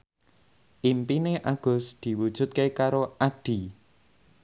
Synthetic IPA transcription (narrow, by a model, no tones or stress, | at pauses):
ʔimpineʔaɡ̥ʊ̤sd̪̥i̤wud̥ʒ̥ṳt̪̚kekaɾoʔaɖ̪̥i̤